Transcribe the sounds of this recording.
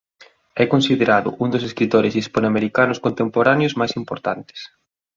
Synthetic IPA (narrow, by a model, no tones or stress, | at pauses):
ɛkonsiðeɾaðʊ̰ʔund̪ʊseskɾit̪oɾɪsispanoameɾikanʊskont̪empoɾanjʊzmajsimpo̰ɾt̪ant̪ɪ̥s